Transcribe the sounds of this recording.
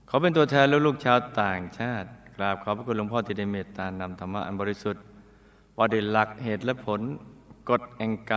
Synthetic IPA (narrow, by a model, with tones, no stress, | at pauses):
kʰa˨˦wpe˧nt̪u˧ɐt̪ʰɛː˧nlɛː˦˥˩luː˥˩k̚t͡ɕʰaː˦˥wt̪aː˨˩ŋt͡ɕʰaː˥˩t̪̚kʰɾa˦˥˩p̚kʰaː˨˦pʰa˧˥ku˧t̚lo˧˥ŋpʰɔː˥˩t̪ʰiː˧da˧˩jmeː˧˩t̪aː˧˩nːa˧mt̪ʰa˧mːa̰˦˥ʔa˧nbɔː˧ɾi˦˥su˨˩t̪̚ | waː˧˩dɯː˨˩la˨˩k̚heː˨˩t̪̚lɛ˦˥pʰo˨˦nko˨˩t̪̚ʔɛː˨˧ŋka˧